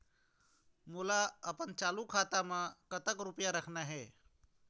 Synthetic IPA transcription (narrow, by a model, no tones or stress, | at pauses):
mʊlaɐpənt͡ʃaːlukʰaːt̪amãkət̪əkɾʊpjaɾəkʰnaɦɛː